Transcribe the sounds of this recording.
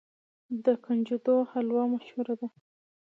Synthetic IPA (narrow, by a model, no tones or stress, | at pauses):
d̪əkand͡ʒud̪ohalwɑmaʃhuɾad̪a